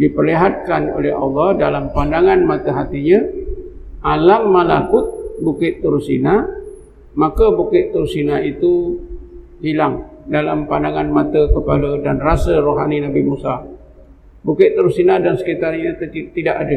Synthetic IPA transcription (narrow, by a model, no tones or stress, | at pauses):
dipərliɦat̪̚kano̰lɛɦɑ̰lːɑhdalampandaŋanmat̪əɦat̪iɲa | ʔalamːala̰kʊt̪̚bukɪʔt̪ːuɾusḭna | makabukɪʔt̪uɾusinait̪u | hilaŋdalampandaŋanmat̪əkəpa̰lədanrasəɾoɦaninabimusa | bukɪt̪ːuɾusinadansə̥kit̪arɲat̪t̪idaʔadə